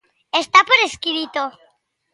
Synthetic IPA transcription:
est̪apoɾeskiβit̪o

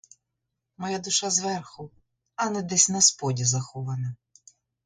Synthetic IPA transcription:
mɔjad̪ʊʃazʋɛrxʊ | ɐnɛd̪ɛsʲnɐspɔdʲizɐxɔʋɐnɐ

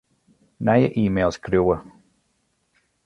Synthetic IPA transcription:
najə̰ʔiːmeːlˠskɾuwə

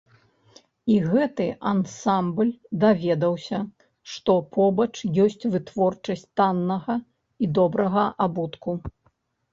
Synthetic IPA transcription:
iɣɛt̪ɨʔansamblʲd̪avʲɛd̪ɐwsʲɐ | ʂt̪ɔpʰɔbɐt͡ʂjɔsʲt͡sʲvɨt̪vɔrt͡ʂɐsʲt͡sʲt̪anːɐɣɐ | id̪ɔbɾɐɣɐʔabut̪ku

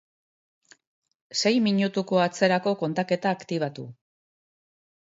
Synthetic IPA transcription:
se̞jmiɲut̪uko̞at͡se̞ɾako̞ko̞nt̪ake̞t̪aːkt̪iβ̞at̪u

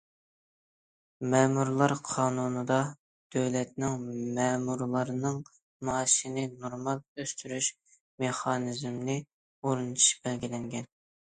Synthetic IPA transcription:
mɛːmuɾlˠɑɾqʰɑːnunɨd̪ɑ | d̪̥øwlɛt̪̚nɪŋmɛːmuɾlˠɑɾɨnɨŋ | mɑːʃinɨnoɾmɑlˠøst̪ʰyɾyʃ | meχɑːnɨzmnɪ | oɾɨnt̪ʰu̥ʃbɛlɡʲilɛŋɡʲɛn

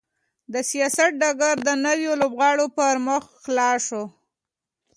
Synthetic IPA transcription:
d̪əsijɑsat̪̚ɖaɡaɾd̪ənəwjolobɣɑɽopəɾmʊxxlɑʃo

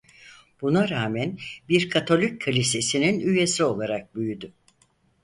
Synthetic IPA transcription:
b̥unaɾaːmænbiɾkʰat̪ʰo̞lʲicʰalʲise̞sininyje̞sio̞lˠaɾak̚byjyd̪y

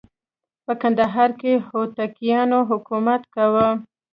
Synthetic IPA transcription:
pəkand̪aɦɑɾkehot̪akijɑnoɦʊkumat̪kawə

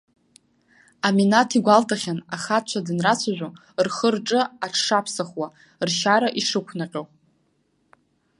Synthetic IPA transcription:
aminatʰiɡʷaltʰaχʲanaχat͡ʃʷʰadɨnrat͡ɕʷʰaʒᶣʷo | rχərʈ͡ʂʼɨaʈ͡ʂʰʂapʰsaχwa | rʃaɾaʔiʂɨkʷʰnaqʲʼow

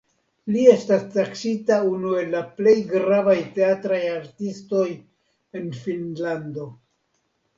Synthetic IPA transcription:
lie̞stastaksitaunue̞lːaple̞jɡɾavajte̞atɾajaɾtisto̞j | e̞nfinlando̞

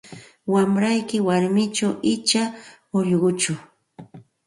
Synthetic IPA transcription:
wamɾajkɪwaɾmɪt͡ʃawɪt͡ʃa | ʊʎɢʊt͡ʃʊ

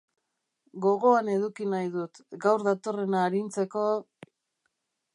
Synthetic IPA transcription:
ɡo̞ɣo̞ane̞ðukinajðut̪ɡawɾðat̪o̞re̞naːɾint͡se̞ko̞

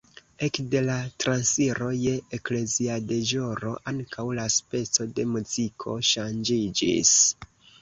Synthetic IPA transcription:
e̞kde̞latɾansiɾo̞jeekle̞ziade̞ʒoɾo̞ʔaŋkawlaspe̞t͡so̞de̞muzikʰo̞̰ʃand͡ʒid͡ʒḭs

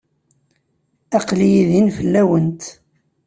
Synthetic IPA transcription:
ɑqlijiðinfəlːæwənt̪

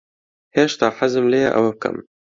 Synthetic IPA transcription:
heːʃt̪ɑːħazɨmlejɛ̰ʔɐ̰wɐb̚kɐ̰m

